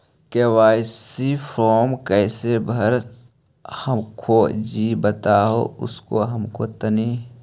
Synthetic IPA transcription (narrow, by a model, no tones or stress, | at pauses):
keːwaːsipʰɾoːmkəːsebʱəɾ | həmkʰod͡ʒiːbət̪aːɦo̰ʊ̰skoɦəmkoːt̪əniː